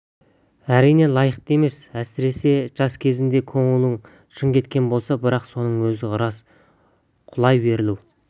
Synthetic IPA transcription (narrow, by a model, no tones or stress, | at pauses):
æɾijne̞lˠɑjəqt̪e̞me̞sæsɪɾe̞se̞ʒɑskʲʰe̞zɪnd̪e̞kʰo̞ɴəlˠəɴ | ʃəɴkʲʰe̞t̪kʲe̞nbo̞lˠsɑbɪɾɑqso̞nəɴwɵzɪʊɾɑs | qʰʊlˠɑjbe̞ɾɪlu